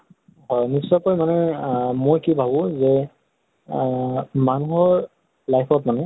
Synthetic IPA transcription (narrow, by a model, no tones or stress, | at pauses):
ɦɔjnisːɔkɔjmanɛmojkibʱabʊ̃zɛ | manuɦɔɹ | lajpʰɔtmanɛ